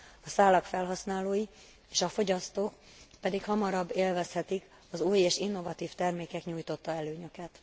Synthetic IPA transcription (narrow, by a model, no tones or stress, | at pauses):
ɒsaːlɒkfɛlɦɒsnaːloːji | eːʃɒfo̞ɟɒst̪oːk | pɛd̪ikhɒmɒɾɒbːeːlvɛshɛt̪ik | ɒzuːjeːʃinːo̞vɒt̪iːft̪ɛrmeːkɛkɲuːjt̪o̞t̪ːɒɛløːɲø̞kɛt̪